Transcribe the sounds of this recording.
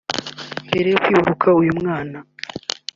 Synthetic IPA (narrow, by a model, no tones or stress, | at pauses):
mbeɾejokwiːhuɾukʰaujumŋaːna